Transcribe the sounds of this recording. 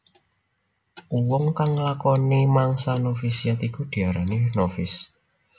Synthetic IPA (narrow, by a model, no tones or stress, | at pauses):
uwɔŋkaŋlakɔnemaŋsanofisiat̪iɡ̥ud̪̥i̤aɾaninofɪs